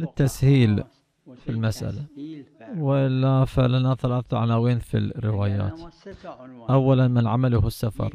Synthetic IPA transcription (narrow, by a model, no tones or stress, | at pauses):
lɪt̪ːashiːl | filmasʔa̰la | wɪʔɪlːafalanaθalaːθʕanaːwiːnfḭlrːɪwaːja̰ːt̪ | ʔawːalanmɪnʕamalʊhɪsːafɑ̰ɾˤ